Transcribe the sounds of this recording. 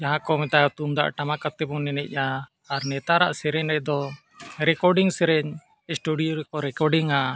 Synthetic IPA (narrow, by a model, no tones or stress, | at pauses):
d͡ʒaɦãkɔmɛt̪ajɔt̪umd̪a̰ʔʈamakat̪ɛbɔnɛnɛ̰ʔ̚ˀjaː | ɾnɛt̪aɾa̰ʔsɛɾɛɲɾɛʔ̚d̪ɔ | ɾɛkɔɾɖiŋsɛɾɛɲ | sʈuɖijɔɾɛkɔɾɛkɔɾɖiŋa